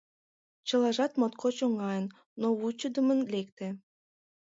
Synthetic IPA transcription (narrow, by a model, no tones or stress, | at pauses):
t͡ɕə̆lɑʒɑt̪mot̪kʰot͡ɕoŋɑjənː | out͡ɕəd̪əmənlek̚t̪ĕ